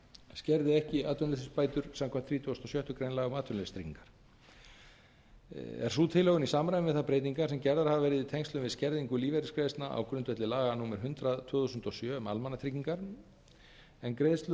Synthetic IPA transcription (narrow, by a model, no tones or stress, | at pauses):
scɛɾðɪɛhcɪaːt̪ʏnlɪθʏspaːjt̪ʏɾ̥samkʰɛm̥nt̪θʰɾiːt̪ʰust̪ɔsjœht̪ʏkɾejnlaːɣʏmaːt̪ʏnest̪ʰɾḭciŋkaɾ̥ | ɛ̰ɾ̥suːt̪ʰɪlœɣʏnisaːmɾajɪnvɪðθapɾeːjt̪iŋkḁsɛmcɛɾðaɾ̥havavɛɾɪðit̪ʰɛjŋst̪lʏmvɪðscɛɾðiŋkʏliːvɛɾɪskɾeːðst̪naʔa̰wkɾʏnt̪vɛt̪lɪlaːɣanuːmɪɾ̥ɦʏnt̪ɾaðt̪ʰvʏːθusʏnt̪ɔsjœːma̰lmanːat̪ʰɾikciŋkaɾ̥ | ɛnkɾejðst̪lʏ